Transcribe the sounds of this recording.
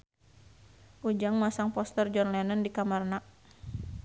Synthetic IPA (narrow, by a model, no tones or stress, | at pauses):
ʔud͡ʒaŋmasaŋpɔst̪ərd͡ʒɔnlɛnəndikamarnaʔ